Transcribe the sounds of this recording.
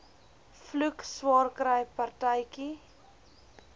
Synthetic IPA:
flukswɑːrkɾəjpɐrtəjki

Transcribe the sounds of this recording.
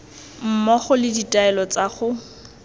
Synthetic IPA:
m̩mɔχʊlɪditʼaɛlɔt͡saχʊ

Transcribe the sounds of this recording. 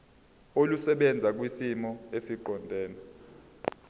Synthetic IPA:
olusɛɓɛnd͡zʱak̬wisimɔesiǃɔndʱɛːna

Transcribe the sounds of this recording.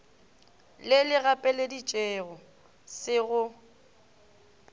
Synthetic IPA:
lɪlɪɣapʼɛledit͡ʃʼeɣɔ | sɪɣʊ

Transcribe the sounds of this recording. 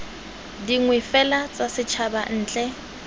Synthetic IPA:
diŋwɛfɛlat͡sʼasɪt͡ʃʰaban̩ːt͡ɬʼɛ

